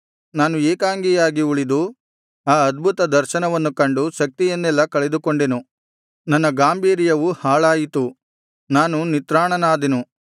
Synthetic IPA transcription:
naːnueːkaːŋɡijaːɡiuɭid̪u | aːɐd̪̚bʱut̪ɐd̪ɐɾʃɐnɐʋɐnːukɐɳɖuʃɐk̚t̪ijɐnːɛlːɐkɐɭed̪uko̞ɳɖenu | nɐnːɐɡaːmbʱiːɾijɐʋuhaːɭaːjit̪u | naːnunit̪ɾaːɳɐnaːd̪enu

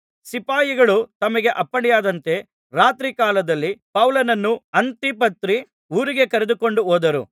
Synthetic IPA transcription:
sipaːjiɡɐɭut̪ɐmɐɡe̞ʔɐpːɐɽijaːd̪ɐnt̪e̞ | ɾaːt̪ɾikaːlɐd̪ɐlːipɐwlɐnɐnːuɐnt̪ipɐt̪ɾi | uːɾiɡe̞kɐɾed̪uko̞ɳɖuoːd̪ɐɾṵ

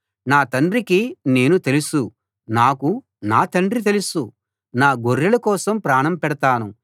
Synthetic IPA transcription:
naːt̪ɐɳɖɾikine̞ːnut̪e̞lusu | naːku | naːt̪ɐɳɖɾit̪e̞lusu | naːɡoɾːɐlɐkɔːsɐmpɾaːɳɐmpɛɽɐt̪aːnu

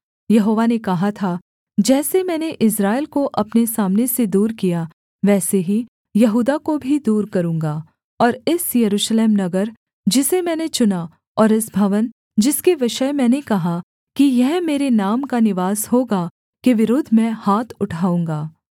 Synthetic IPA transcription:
jɐɦoːʋanekɐɦat̪ʰa | d͡ʒɛːsemɛ̃ːneʔɪs̬ɾaːɪlkoʔɐpnesaːmnesed̪uːɾkija | ʋɛːseɦi | jɐɦuːd̪akobʱid̪uːɾkɐɾũːŋɡaː | ɔːɾɪsjɐɾuːʃleːmnɐɡəɾ | d͡ʒɪsemɛ̃ːnet͡ʃʊna | ɔːɾɪsbʱɐʋən | d͡ʒɪskeʋɪʃəjmɛ̃ːnekɐɦa | kijɛɦmeːɾenaːmkanɪʋaːsɦoːɡa | keʋɪɾoːd̪ʱmɛ̃haːt̪ʰʊʈʰaːũːŋɡaː

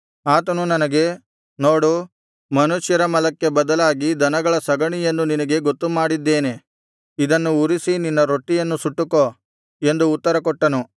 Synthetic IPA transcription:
aːt̪ɐnunɐnɐɡe̞ | no̞ːɽu | mɐnuʂjɐɾɐmɐlɐkːe̞bɐd̪ɐlaːɡid̪ʱɐnɐɡɐɭɐsɐɡɐɳijenːuninɐɡe̞ɡot̪ːumaːɽid̪ːe̞ːne̞ | id̪ɐnːuuɾisininːɐɾoʈːijɐnːusuʈːuko | e̞nd̪uːt̪ːɐɾɐkɔʈːɐnu

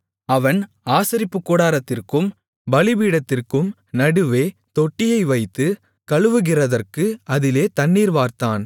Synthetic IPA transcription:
ɐʋɐn | aːsɪɾɪpːɯkːɔɽaːɾɐt̪ːɪrkɯm | bɐlɪʋiːɽɐt̪ːɪrkɯm | nɐɽɯʋeːt̪ɔʈːɪjɐɪʋɐɪt̪ːɯ | kɐɻɯʋɯɣɪrɐðɐrkɯɐðɪleːt̪ɐɳːiːɾʋaːɾt̪aːn

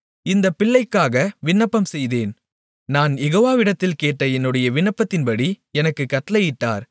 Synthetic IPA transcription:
ɪnd̪ɐpːɪɭːɐɪkːaːɣɐʋɪɳːɐpːɐmsɛjðeːn | naːnjɛɣoːʋaːʋɪɽɐt̪ːɪlkeːʈːɐɛnːɯɽɐjɐʋɪɳːɐpːɐt̪ːɪnpɐɽiɛnɐkːɯkːɐʈːɐlɐjɪʈːa̰ːɾ

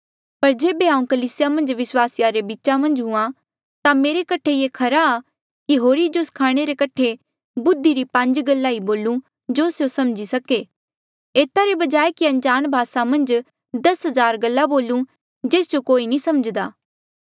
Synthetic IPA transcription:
pɐɾd͡ʒeːbeɦãːũkɐliːsɪjamɐ̃nd͡ʒʋɪswaːsɪjaɾebiːt͡ʃamɐ̃nd͡ʒɦʊ̃ã | t̪ameːɾekɐʈʰejeːkʰɐɾaː | kiɦoːɾid͡ʒoskʰaːɽ̃eɾekɐʈʰe | bʊd̪ʱːiɾipɐ̃ɲd͡ʒɡɐlːaːiboːlũ | d͡ʒosjosɐmd͡ʒisɐke | eːt̪aɾebɐd͡ʒaːekiɐ̃nd͡ʒaːnbʱaːsamɐ̃nd͡ʒ | d̪ɐsɦɐzaːɾɡɐlːaboːlũ | d͡ʒeːsd͡ʒokoːinĩsɐməd͡ʒd̪aː

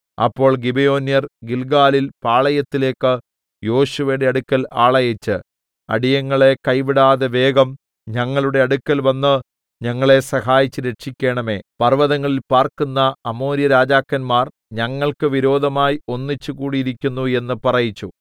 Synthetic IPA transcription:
ɐ̰pːo̞ːɭɡibejo̞ːnjɐrɡilɡaːlilpaːɭɐjɐt̪ːile̞ːkːɨ | jo̞ːɕuʋɐjɽe̞ɐɽukːɐlaːɭɐjɐt͡ɕːɨ | ɐ̰ɽijɐŋːɐɭe̞kɐjʋiɽaːðeʋe̞ːɡɐm | ɲɐŋːɐɭuɽe̞ɐɽukːɐlʋɐnːɨ | ɲɐŋːɐɭe̞sɐhaːjit͡ɕːɨɾe̞ʈʂikʲːe̞ːɳɐme̞̰ːpɐrʋɐðɐŋːɐɭilpaːrkunːɐːmo̞ːɾjɐɾaːd͡ʑaːkːɐnmaːr | ɲɐŋːɐɭkɨʋiɾo̞ːd̪ʱɐmaːjio̞nːit͡ɕːukuːɽiiɾikʲːunːue̞nːɨpɐrɐjit͡ɕːu

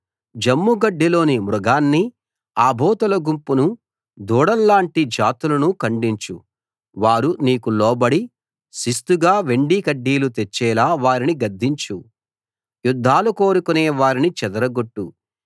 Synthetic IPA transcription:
d͡ʒɐmːuɡɐɖːilo̞ːnimɾɔɡaːnːi | aːbʱɔːt̪ɐlɐɡumpunu | d̪uːɽɐlːaːɳʈid͡ʒaːt̪ulɐnukɐɳɖiɲt͡ʃu | ʋaːɾuniːkulɔːbɐɽi | sist̪uɡaːʋe̞ɳɖikɐɖːiːlut̪et͡ʃːɛːlaːʋaːɾiniɡɐd̪ʱːiɲt͡ʃu | jud̪ʱːaːluko̞ːɾukuneːʋaːɾinit͡ʃɛd̪ɐɾɐɡoʈːu

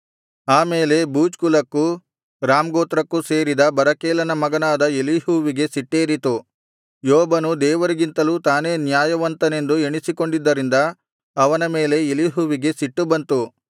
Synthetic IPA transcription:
aːmeːle̞buːd͡ʒkulɐkːu | ɾaːmɡoːt̪ɾɐkːuseːɾid̪ɐbɐɾɐkeːlɐnɐmɐɡɐnaːd̪ɐeliɦuːʋiɡe̞siʈːeːɾit̪u | jɔːbɐnud̪ɛːʋɐɾiɡint̪ɐluːt̪aːne̞ːnjaːjɐʋɐnt̪ɐne̞nd̪ueɳisiko̞ɳɖid̪ːɐɾind̪ɐː | ʋɐnɐme̞ːle̞eliɦuːʋiɡe̞siʈːubɐnt̪u

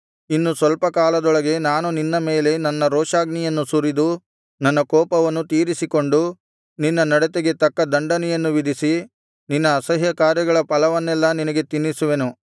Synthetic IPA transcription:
inːusʋɐlpɐkaːlɐd̪ɔɭɐɡe̞naːnuninːɐme̞ːle̞nɐnːɐɾɔːʂaːɡnijɐnːusuɾid̪u | nɐnːɐkɔːpɐʋɐnːut̪iːɾisiko̞ɳɖu | ninːɐnɐɽɛt̪eɡe̞t̪ɐkːɐd̪ɐɳɖɐnɛjɐnːuʋid̪ʱisi | ninːɐːsɐɦjɐkaːɾjɐɡɐɭɐpɐlɐʋɐnːɛlːɐninɐɡe̞t̪inːisuʋe̞nu

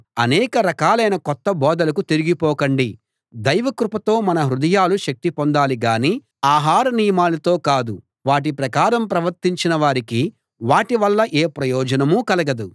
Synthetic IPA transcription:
ɐnɛːkɐɾɐkaːlɐjnɐkɔt̪ːɐbɔːd̪ɐlɐkut̪eɾiɡipɔːkɐɳɖi | d̪ɐjʋɐkɾupɐt̪o̞ːmɐnɐɦɾud̪ɐjaːluʃɐk̚t̪ipond̪aːliɡaːniː | aːɦaːɾɐnijɐmaːlɐt̪oːkaːd̪u | ʋaːʈ̬ipɾɐkaːɾɐmpɾɐʋɐɾt̪iɲt͡ʃinɐʋaːɾiki | ʋaːʈiʋɐlːɐʔeːpɾɐjɔːd͡ʒɐnɐmukɐlɐɡɐd̪u

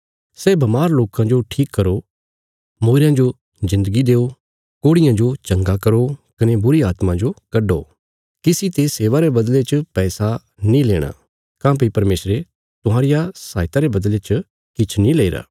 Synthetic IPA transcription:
sɛːbɐmaːɾloːkãd͡ʒoʈʰiːkːɐɾo | moːɾãd͡ʒo | zɪ̃nd̪əɡid̪eːo | koːɽɪjãd͡ʒot͡ʃɐ̃ŋɡakɐɾokɐnebʊɾiaːt̪mãd͡ʒokɐɖo̰ː | kɪsit̪eːseːʋaɾebɐd̪let͡ʃəpɛːsa | nĩleːɽ̃a̰ː | kãːpipɐɾmeːsɾe | t̪ʊɦãːɾɪjasaːɪt̪aɾebɐd̪let͡ʃ | kɪt͡ʃʰnĩleːɾa̰ː

